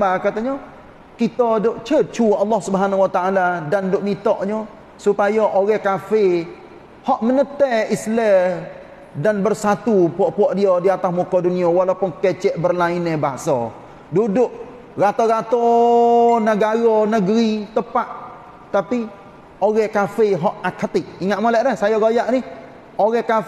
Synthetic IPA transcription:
akat̪aɲɔ | kit̪ɔdʊʔt͡ʃət͡ʃuɑlːɔhsubɦanawat̪aaladandʊʔmit̪ɔʔɲɔ | supajɔʔoɣɛhkafe | hɔʔmənət̪ɛislɛ | danbərsat̪upuɔʔpuɔʔdiɔdiat̪asmukɔduniɔwalapʊnket͡ʃɛʔbərlainɛbaɦasɔ̰ | dudʊʔ | ɣat̪ɔɣat̪ɔ | nəɡaɾɔnəɡɾit̪əpaʔ | t̪api | oɣɛkafeɦɔʔakat̪ɪʔ̚iŋaʔ̪mɔlɛʔdɛsajɔɡajaʔnɪh | oɣɛka

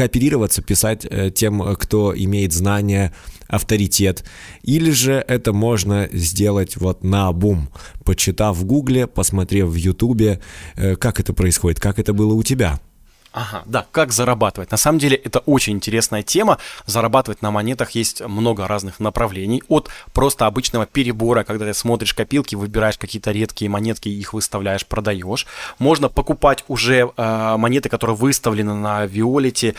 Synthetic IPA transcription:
kəɐpʲɪɾʲiɾəvət̪səpʲɪsatʲətʲːe̞mkt̪o̞ɪ̰mʲejɪt̪znanʲɪjəɐft̪əɾʲɪtʲe̞t̪ | ilʲɪʐɨʔɛt̪əmo̞ʐnəzʲdʲe̞lˠətʲvo̞t̪nəɐbumpət͡ɕɪt̪avɡuɡlʲɪpəsmɐt̪ɾʲefvjʊt̪ubʲɪəkakɛt̪əpɾəɪsxo̞dʲɪt̪̚kakɛt̪əbɨlˠəʊtʲɪbʲa̰ | aɦa̰d̪akakzəɾɐbat̪ɨvət̚ʲnɐsaməmdʲelʲɪʔɛt̪əʔo̞t͡ɕɪnʲɪnʲtʲɪɾʲesnəjətʲeməzəɾɐbat̪ɨvətʲnəmɐnʲe̞t̪əxjesʲtʲmno̞ɡəɾʔaznɨxnəpɾɐvlʲenʲɪjo̞t̪pɾo̞st̪əɐbɨt͡ɕnəvəpʲɪɾʲɪbo̞ɾəkɐɡd̪at̪ɨsmo̞t̪ɾʲɪʂkɐpʲilˠkʲɪvɨbʲɪɾajɪʂkɐkʲijət̪əɾʲe̞t̪kʲɪjəmɐnʲe̞t̪kʲɪixvɨst̪ɐvlʲæjɪʂpɾəd̪ɐjo̞ʂmo̞ʐnəpəkʊpatʲʊʐɛəmɐnʲet̪ɨkɐt̪o̞ɾɨjəvɨst̪əvlʲɪnɨnəvʲɪolʲɪtʲɪ

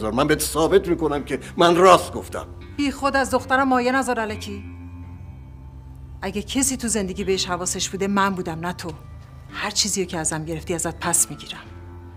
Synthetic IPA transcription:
zɒɾmæmbet̪ʰsɒːbet̪miːkonæmcʰʲe | mænrɒːst̪̚ɡoft̪æ̰m | b̥iːxo̞d̪æzd̪oxt̪æɾæmːɒːjenæzɒːɾælæcʰi | ʔæɟæcʰesiːt̪ʰuze̞nd̪eɟiːbeeʃhævɒːseʃb̥uːd̪emæmbuːd̪æmnæt̪ʰo | hæɾt͡ʃʰiːziːjocʰeæzæmɟe̞ɾeft̪iːæzæt̪̚pʰæsmiɟiːɾæm

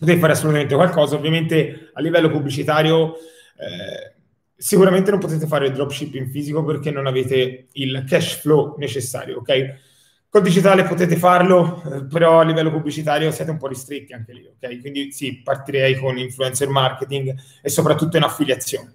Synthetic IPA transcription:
pot̪eːt̪efaːɾeasːolut̪ament̪ekwalkɔːzaovːjament̪ealːivɛlːopubːlit͡ʃit̪aːɾjo | ɛ̰ | sikuɾament̪enõmpot̪eːt̪̬efaːɾeild̪ɾɔbt͡ʃipːiɱfiːzikoperk̟enːonaveːt̪eilkɛʃflonet͡ʃesːa̰ːɾjo̰okːɛj | kold̪id͡ʒit̪aːlepot̪eːt̪efarlopeɾɔalːivɛlːopubːlit͡ʃit̪aːɾjosjɛːt̪eumpɔrːist̪ɾet̪ːiaŋk̟elḭokːɛjkwind̪isipːart̪iɾɛjkoniɱfluɛnsermarket̪iŋɡ | esːopɾat̪ːut̪ːoinafːiljat̪sːjoːne

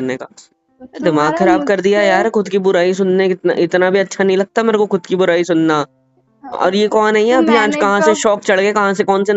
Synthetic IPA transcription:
ɐɾnekaː | d̪ɪmaːɡxɐɾaːb̚kɐɾd̪ijajaːɾxʊd̪kibʊɾaːis̬ʊnnẽkɪt̪na̰ʔɪt̪nabʱiɐtːʃʰanɐɦĩlɐɡ̚t̪ameːɾekoxʊd̪kibʊɾaːisʊnnaː | ɔ̰ːɾjekɔːnːɐɦĩɛɐbʱiãːd͡ʒkɐɦãseʃɔːkt͡ʃɐɭɡekɐɦãsekɔːnse

